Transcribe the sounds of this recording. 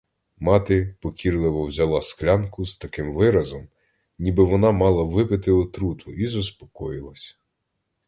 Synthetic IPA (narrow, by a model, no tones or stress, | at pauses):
mɑt̪ɪpɔkʲirlˠɪʋɔwzʲɐlˠɑsklʲɑnkʊz̥t̪ɐkɪmʋɪɾɐzɔm | nʲibɪʋɔnɑmɑlˠɐʋɪpɪt̪ɪɔt̪ɾut̪ʰʊizʊspɔ̥kɔjɪlˠɐsʲ